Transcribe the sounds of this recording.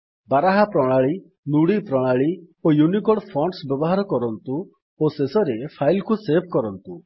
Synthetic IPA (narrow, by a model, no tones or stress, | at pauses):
baɾaɦapɾɔɽ̃aɭi | nuɽipɾɔɽ̃aɭi | ojunikɔɽpʰɔɳɖsbjɔbɔɦaɾɔkɔɾɔnt̪u | osesɔɾepʰajlkuseb̚ʱkɔɾɔnt̪u